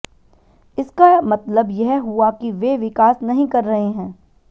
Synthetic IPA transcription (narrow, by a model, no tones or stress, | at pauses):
ɪskamɐt̪ləbjɛɦɦuakiʋeʋɪkaːsnɐɦĩkɐɾːɐɦeɦɛ̃ː